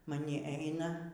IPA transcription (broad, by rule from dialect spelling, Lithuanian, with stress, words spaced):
mɐˈnʲɪ ˈɛɪnɐ